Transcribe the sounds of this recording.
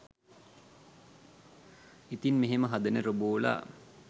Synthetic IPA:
it̪inmeɦeməɦad̪ənəɾoboːla̰

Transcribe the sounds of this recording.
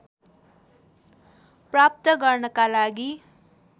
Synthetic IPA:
prap̚t̪ʌɡʌrnʌkalaɡi

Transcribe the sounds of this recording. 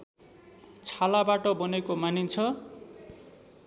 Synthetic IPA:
t͡sʰalabaʈʌbʌnekomanint͡sʰʌ

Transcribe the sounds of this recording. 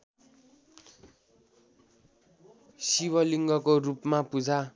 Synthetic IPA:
siwʌliŋɡʌkorupmapud͡zʱa

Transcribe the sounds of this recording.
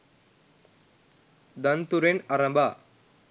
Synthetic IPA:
d̪ɐnt̪uɾenaɾə̃mbʱa

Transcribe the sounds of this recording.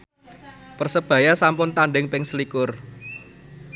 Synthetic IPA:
pərsəb̥ä̤jasampʊnt̪anɖɪŋpɪŋslikʊr

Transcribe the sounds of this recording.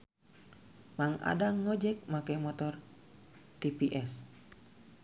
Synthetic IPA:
maŋa̰daŋːɔd͡ʒɛk̚makajmɔt̪ɔr | t̪ipiʔɛs

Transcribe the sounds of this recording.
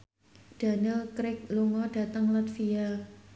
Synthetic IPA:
d̥a̤nɪlkɾɪk̚luŋɔɖ̥ä̤t̪əŋlat̪fia

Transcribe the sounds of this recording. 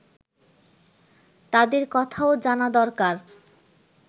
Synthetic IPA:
t̪ad̪eɾkɔt̪ʰaod͡ʑanad̪ɔɾkaɾ

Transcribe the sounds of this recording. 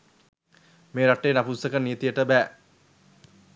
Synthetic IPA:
meːɾaʈːeːnapusɐkənːijt̪ijəʈəbæː

